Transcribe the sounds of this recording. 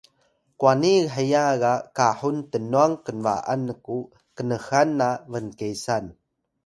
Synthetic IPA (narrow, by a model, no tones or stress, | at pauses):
kuaniħəjaɣakaħuntənuaŋkənva̰ʔa̰nːəku | kənəxanːavənkejsan